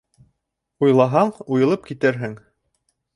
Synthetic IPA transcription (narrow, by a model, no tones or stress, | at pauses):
ujlˠɑɦɑɴujɤ̆lˠɤp̚kit̪ɘɾɦɘŋ